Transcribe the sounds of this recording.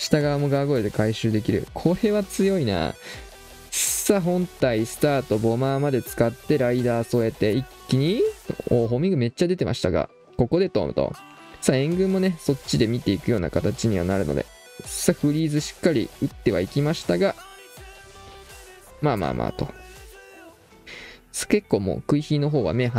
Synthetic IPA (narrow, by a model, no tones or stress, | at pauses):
ɕi̥t̪aɡaβamo̞ɡaaɡo̞ed̪e̞kaiɕɨːd̪e̞kʲiɾɯ̟̰kʰo̞ɾe̞βat͡sɨjo̞ina̰ː | saɦõ̞nt̪aisɨ̥t̪aːt̪o̞bo̞maːmad̪e̞t͡sɨ̥kat̪ːe̞ɾaid̪aːso̞e̞t̪e̞ikʲːiɲ̟iooːɦo̞mʲiɡɯ̟me̞t͡ɕːad̪e̞t̪e̞mʔa̰ɕi̥t̪aɡa̰ | ko̞ko̞d̪e̞t̪o̞̰ːmɯ̟t̪o̰ | saẽ̞ŋɡɯ̟̃mːo̞ne̞so̞t͡ɕːid̪e̞mʲit̪e̞ikɯ̟jo̞ːna̰kat̪at͡ɕiɲ̟iβa̰naɾɯ̟no̞̰d̪e̞̰̥ | saɸɯ̟ɾʲiːzɨɕi̥kːaɾʲḭɯ̟t̪ːe̞βa̰ikʲimaɕi̥t̪aɡa | maːma̰ːmʔa̰ːt̪o̞̰ | ske̞kːo̞ːmo̞̰ːkɯ̟içiːno̞ɦo̞ːβa̰me̞ɦa